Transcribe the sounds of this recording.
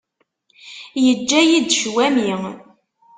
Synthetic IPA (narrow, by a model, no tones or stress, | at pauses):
jəd͡ʒːæjid̪ʃwæmi